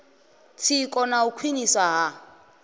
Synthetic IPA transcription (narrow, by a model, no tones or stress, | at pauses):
t͡sʰikʼɔnaukʰwinisaɦa